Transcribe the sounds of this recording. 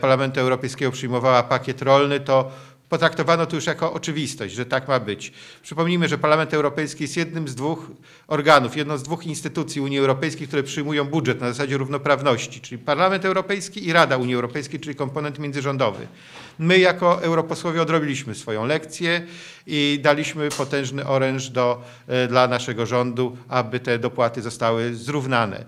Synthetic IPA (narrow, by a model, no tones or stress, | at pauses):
paɾlamɛnt̪uɛwɾɔpɛjskʲɛɡɔpʂɘjmɔvawapakʲjɛt̪ɾɔlnɘt̪ɔ | pɔt̪ɾakt̪ɔvanɔt̪ɔjuʂjakɔʔɔt͡ʂɘvʲist̪ɔɕd͡ʑʐɛt̪akmabɘt͡ɕpʂɘpɔmɲimɘʐɛpaɾlamɛnt̪ɛwɾɔpɛjskʲijɛst̪jɛd̪̚nɘmzd̪vux | ɔɾɡanufjɛd̪nɔ̃w̃zd̪vuxinst̪ɘt̪ut̪sʲjiuɲjiɛwɾɔpɛjskʲejkt̪uɾɛpʂɘjmujɔ̃w̃budʐɛt̪nazasad͡ʑɛɾuvnɔpɾavnɔɕt͡ɕit͡ʂɘlʲipaɾlamɛnt̪ɛwɾɔpɛjskʲiiɾad̪auɲjiɛwɾɔpɛjskʲejt͡ʂɘlʲikɔmpɔnɛnt̪mʲjɛndzɘʐɔnd̪ɔvɘ̰ | mɘjakɔʔɛwɾɔpɔswɔvʲjɛɔd̪ɾɔbʲilʲiɕmɘsfɔjɔ̃w̃lɛkt̪sʲjɛ | id̪alʲiɕmɘpɔt̪ɛ̃ʐnɘʔɔɾɛnʐd̪ɔ | d̪lanaʂɛɡɔʐɔnd̪uabɘt̪ɛd̪ɔpwat̪ɘzɔst̪awɘzɾuvnanɛ̰